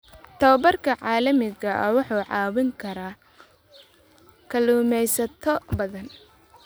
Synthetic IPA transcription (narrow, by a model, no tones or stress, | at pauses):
t̪ʰɐwɐbɐrkʰɐʕɑːlɐmɪɣɐʔɐwɑħuːʕɑːwɪŋkʰɐɾaː | kʰɐluːmɛjsɐt̪ʰɔbɐðɐn